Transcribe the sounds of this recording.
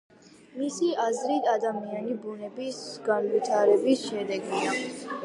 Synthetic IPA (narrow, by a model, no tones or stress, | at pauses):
misiazɾit̪ʰad̪amianibunɛbisɡanvit̪ʰaɾɛbisʃɛd̪ɛɡia